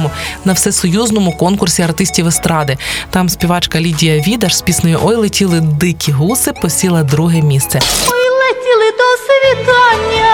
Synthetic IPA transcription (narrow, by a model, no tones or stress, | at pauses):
mʊnɐwsɛsɔjuznɔmʊkɔnkʊrsʲiɐrt̪ɪsʲtʲiwest̪ɾɑd̪ɪt̪ɑmsʲpʲiʋɑt͡ʃkɐlʲidʲijɐʋʲid̪ɐʃspʲisnɔjʊʔɔjlˠetʲilˠɪd̪ɪkʲiɦusɪpɔsʲilˠɐd̪ɾuɦɛmʲist̪sɛɔjlˠetʲilˠɪd̪ɔsʋʲit̪ɑnʲːɐ